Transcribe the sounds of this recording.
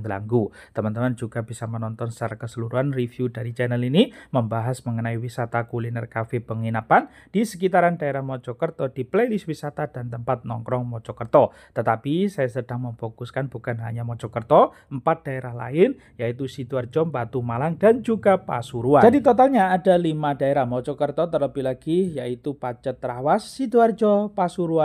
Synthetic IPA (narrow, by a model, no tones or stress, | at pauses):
ŋla̰ŋɡu | t̪əmant̪əmand͡ʒuɡab̥isamənɔnt̪ɔnsaɾakəsəluɾuanrifjudaɾit͡ʃɛnəliniməmbaɦasməŋənaiwisat̪akulinɛrkafɪpəŋinapan | d̥isək̬it̪aɾandaeɾahmɔt͡ʃɔkərt̪ɔd̥iplelɪswisat̪ad̥ant̪əmpat̪̚nɔŋkɾɔŋmɔt͡ʃɔkərt̪ɔ | t̪ət̪apisajasəd̥aŋməmfokuskanb̥ukanɦaɲamɔt͡ʃɔkərt̪ɔ | əmpat̪̚d̥aeɾahla̰ɪn | jait̪usiduard͡ʒɔmbat̪umalaŋdand͡ʒuɡapa̰suɾuad͡ʒadit̪ɔt̪alɲaːdalimadaeɾahmɔt͡ʃɔkərt̪ɔt̪ərləpilaɡ̥ijait̪upat͡ʃət̪ːɾawasːiduard͡ʒɔpasuɾuan